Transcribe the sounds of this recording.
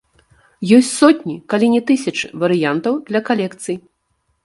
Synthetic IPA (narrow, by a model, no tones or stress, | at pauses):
jɔsʲt͡sʲsɔt̪ʲnʲikalʲinʲɛt̪ɨsʲɐt͡ʂɨvɐɾɨjant̪ɐwd̪lʲɐkalʲɛkt̪sɨj